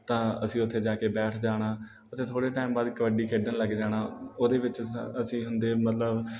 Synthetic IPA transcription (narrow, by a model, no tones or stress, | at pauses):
t̪ãːəsĩːʊt̪ʰːeːd͡ʒaːkeːbɛːʈʰd͡ʒaːɽ̃aː | ət̪eːt̪ʰoːɽeːʈaːɪmbaːd̪kəʋəɖiːkʰeːɖənləɡd͡ʒaːɽaːoːd̪eːʋɪt͡ʃəsĩːɦʊnd̪eːmət̪ləb